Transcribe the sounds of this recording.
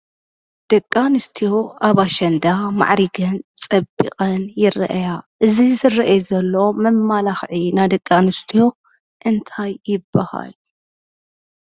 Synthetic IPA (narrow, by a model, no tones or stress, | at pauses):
d̪̥ɐkʼːanɨst̪ʰijo̞ʔaβaʃɐnd̪ama̰ʕɾiɡɐnt͡sʼɐbːḭqʼɐnjɪɾ̰ʔjaʔɨzizɨɾɐʔezɐlːomɐmːalaxʕinad̪ɐkʼːanɨst̪ʰijo̞ | ʔɨnt̪ʰajːɪbːaha̰l